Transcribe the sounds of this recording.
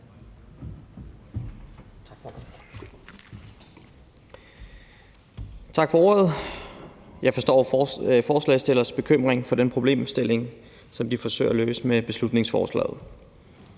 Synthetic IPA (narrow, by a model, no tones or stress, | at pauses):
t͡sʰɡ̥f | t͡sʰɑ̈ɡ̥fɒ̽ɔ̰ɐð̞̩ˠ | jɑ̈ɪfɒ̽sd̥ɒ̰ːfɒːslɛ̰ɪsd̥e̝lɐsb̥e̝kʰøm̰ʁeŋfɒ̽d̥enpʰʁo̝b̥le̝̰ːmsd̥e̝le̝ŋ | sɒ̽md̥ifɒ̽sø̰ɪ̰ɐløːsəmeb̥e̝slud̥ne̝ŋsfɒ̰ːslɛ̰ːð̩ˠ